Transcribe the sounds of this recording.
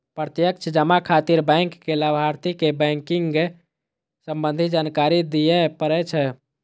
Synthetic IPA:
pɾət̪jək̚t͡ʃʰd͡ʒəmakʰat̪iɾbəŋkːeləbʱaɾt̪ikebɛ̃ŋkiŋɡe | səmbənd̪ʱid͡ʒankaɾid̪ijɛpəɾɛt͡ʃʰɛ

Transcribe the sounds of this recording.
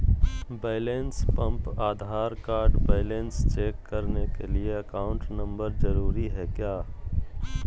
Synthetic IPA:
beːlẽnspɐ̃mpaːd̪ʱaːɾkaːɾɖbeːɪlẽːnst͡ʃeːkːɐɾnekelieɐkaːʊ̃ɳʈnɐ̃mbəɾzɐɾuːɾiɦɛkjaː

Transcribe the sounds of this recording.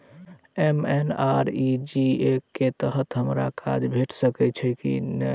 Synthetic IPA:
emenaɾid͡ʒiekːet̪əɦət̪ɦəmɾa̰kʰa̰d͡ʒbʱeʈʰsəkɛt͡ʃʰɛkḭnɛ

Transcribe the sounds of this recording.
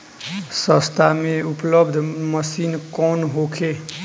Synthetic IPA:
sʌ̃st̪ʰameuplʌbd̪ʱmʌsinkɔnɦokʰe

